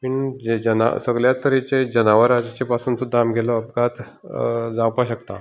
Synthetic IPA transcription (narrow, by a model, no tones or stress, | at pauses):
piɳd͡ʑed͡ʑəna̰səɡljat̪əɾit͡ɕed͡ʑənaʋəɾad͡ʑat͡ɕepasuːnsud̪ʱamɡʱelɔəp̚ɡat̪ | d͡zãwpaɕəkt̪a